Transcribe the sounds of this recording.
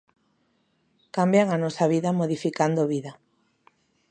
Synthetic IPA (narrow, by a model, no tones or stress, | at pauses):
kambjaŋanɔsaβiðamoðifikand̪oβiða